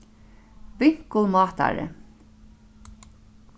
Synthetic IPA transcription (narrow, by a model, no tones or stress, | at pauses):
vɪŋ̥kəlmɑːt̪a̰ɹə̰